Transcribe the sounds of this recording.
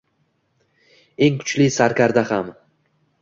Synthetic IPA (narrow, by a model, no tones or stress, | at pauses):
e̞ŋkʰʊ̥t͡ʃlisaɾkʲʰaɾd̪aham